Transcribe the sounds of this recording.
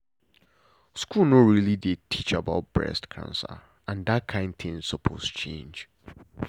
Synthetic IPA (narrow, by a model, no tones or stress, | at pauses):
skulˠnoɹilidetʰit͡ʃaba̰ʊt̚b̥ɹɛ̰stkʰã̰nsə̰ | ãndat̚kʰãɪ̃nd̚θɪ̃ŋsɔpʰo̰st͡ʃʰḛ̃nd͡ʒ